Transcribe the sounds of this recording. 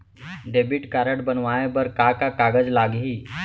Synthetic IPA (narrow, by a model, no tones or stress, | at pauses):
ɖebiʈkaɾəʈbənʋaẽbəɾkakakaɡəd͡zlaɡɦiː